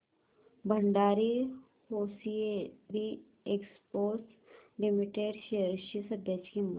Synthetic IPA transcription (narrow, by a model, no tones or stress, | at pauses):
bʱɐ̃ɳɖaːɾi | hoːsied̪i | ekspoːs | limiʈeːɖʃeəɾʃisɐd̪jət͡ʃkim